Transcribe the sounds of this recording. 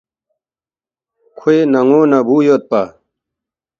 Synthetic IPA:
kʰoenɐŋoːnabuːjoːt̪̚pa

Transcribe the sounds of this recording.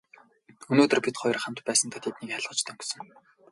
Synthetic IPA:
ɵnoːt̪ɵ̆rpʲit̪χɔj̆rχam̥t̪pæːsə̆nt̪ʰat̪ʰet̪niːkːaɮʁə̆t͡ɕt̪ʰɵŋksɞ̆ŋ

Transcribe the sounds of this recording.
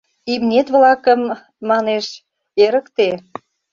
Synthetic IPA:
imnʲet̪βlɑkəmː | ɑneʃ | eɾəkt̪e

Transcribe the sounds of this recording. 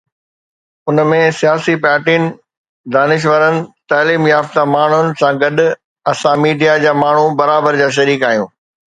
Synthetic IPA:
ʊnmẽsijaːsipaːʈiːn | d̪aːnɪʃ̬ʋəɾənɪ̆t̪aːliːmjaːft̪amaːɳ̤ʊnɪ̆sãɡɐɗʊ | ɐsãmiːɖijad͡ʑaːmaːɳ̤ubɐɾaːbəɾd͡ʑaːʃ̬ɐɾiːkaːɦijũː

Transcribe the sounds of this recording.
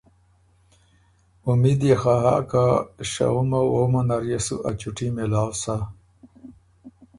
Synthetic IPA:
umid̪jexaɦa̰ːkaɕa̰umawoːmonɐɾjesṵʔat͡ɕuʈimelaːwsa

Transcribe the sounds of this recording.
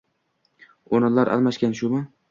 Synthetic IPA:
onɪnlaɾʔa̰lˠmaʃkʲanʃʊmɪ

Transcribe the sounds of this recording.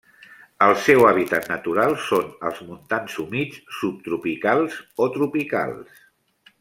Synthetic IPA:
əlˠsɛwaβ̞it̪at̪nət̪uɾalˠsonəlˠzmunt̪ansumit͡ssup̚t̪ɾupikalˠzot̪ɾupika̰lˠs

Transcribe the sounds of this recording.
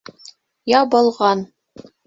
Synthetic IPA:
jɑbɤ̆lˠʁɑn

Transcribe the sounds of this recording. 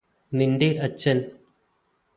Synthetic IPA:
nindiʔɐt͡ɕːɐn

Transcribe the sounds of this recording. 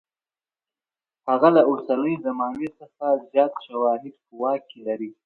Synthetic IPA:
haɣalaʊɽsanəjzamɑnet͡səxazjɑt̪ʃawɑɦɪd̪̚puwɑkːelaɾi

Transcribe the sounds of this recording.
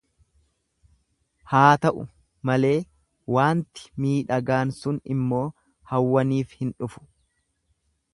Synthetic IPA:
haːt̪ɐʔʊ̰ | mɐle̞ː | waːnt̪ɪ̥miːᶑɐɡaːnsʊnɪ̰mːo̞ː | hɐwːɐniːfhɪnᶑʊfʊ̥

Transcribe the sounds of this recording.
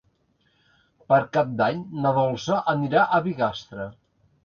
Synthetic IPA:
pəɾkap̚d̪aɲnəðɔlˠsəʔəniɾaʔəβiɣast̪ɾə

